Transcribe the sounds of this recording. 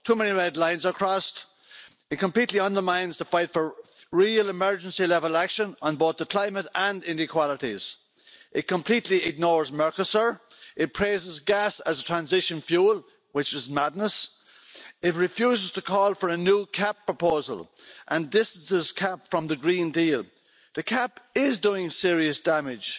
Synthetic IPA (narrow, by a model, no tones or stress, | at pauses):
tʰuːmɛniɹɛdˡlãɪ̃nzə˞kʰɹ̥ɔst | ɨt̚kʰə̃mpʰl̥itˡliʌ̃ndə˞mãɪ̃nzðəfaɪtfə˞ɹiəlɪmɜ˞d͡ʒə̃nsilɛvəlakʃə̃nə̃nboʊθðəkʰl̥ãɪ̃məɾə̃ndɪ̃nɪkʰw̥ɑləɾiz̥ | ʔɪt̚kʰə̃mpʰl̥itliɪɡ̚nɔːɹzmɜ˞kəsə˞ʔɪt̚pʰɹ̥eɪzɪzɡasəzətʰɹ̥æ̃nzɪʃə̃nfjuːlˠ | wɪt͡ʃɪzmadⁿnəs | ɪt̚ɹɪfjuːzɪz̥tʰəkʰɔːlˠfə˞ənjuːkʰapʰɹ̥əpʰoʊzə̰lʔə̃ndɪstə̃n̩sɪz̥kʰapfɹʌ̃mðəɡɹĩndiːlˠ | ðəkʰapɪzduːɪ̃ŋsɪəɹiəsd̥amɪd̥ʒ̥